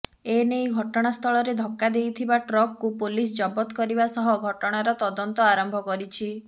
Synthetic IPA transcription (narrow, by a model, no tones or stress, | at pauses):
enejɡʱɔʈɔɽ̃ast̪ʰɔɭɔɾed̪ʱɔkːad̪ejt̪ʰibaʈɾɔkːupolis̬d͡ʒɔbɔt̪kɔɾibasɔɦɔɡʱɔʈɔɽ̃aɾɔt̪ɔd̪ɔnt̪ɔaɾɔmbʱɔkɔɾit͡ʃʰi